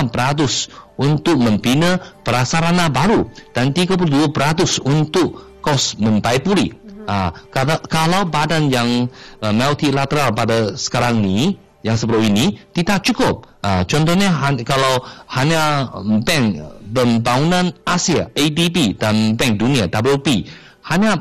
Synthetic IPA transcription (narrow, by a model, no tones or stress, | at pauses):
mpəɾat̪̬ʊsunt̪ʊk̚mə̃mpinəpəɾasaɾanabaɾud̥ant̪iɡap̬uld̪uəpəɾat̪ʊsunt̪ʊʔ̚kɔsmə̃nt̪ajpulḭakaakalawbadanjaŋmat̪ilat̪əɾalpadasə̥kaɾaŋni | jaŋsəpəɾainit̪idaʔ̚t͡ʃukʊp̚at͡ʃɔnt̪̬ɔhɲaɦakalawhaɲabɛŋpəmbaŋunãnasia̰edibidanbɛŋk̚duniadablupi | haɲa